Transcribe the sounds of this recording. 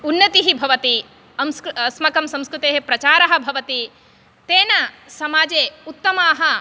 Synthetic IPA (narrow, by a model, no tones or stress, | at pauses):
unːɐt̪iɦibʱɐʋɐt̪i | ɐmssmɐkɐmsɐ̃mskɾut̪eːɦepɾɐt͡ʃaːɾɐɦɐ̆bʱɐʋɐt̪i | t̪eːnɐ | sɐmaːd͡ʒeːut̪ːɐmaːɦɐ